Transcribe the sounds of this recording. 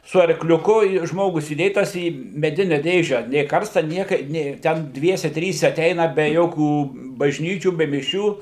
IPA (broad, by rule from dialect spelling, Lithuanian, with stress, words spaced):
sʊ ɐrklʲʊˈkʊ ɪ ˈʒmoːɡʊs iːˈdʲeːtɐs iː mʲɛˈdʲɪnʲɛ ˈdʲeːʒʲɛ nʲeː ˈkɐrstɐ ˈnʲiɛkɐ ˈnʲeː tʲɛn ˈdʲʋʲiɛsʲɛ ˈtʲrʲiːsʲɛ ɐˈtʲɛɪnɐ bʲɛ ˈjoːkʲuː bɐʒʲˈnʲiːt͡ʃʲuː bʲɛ mʲɪˈʃʲuː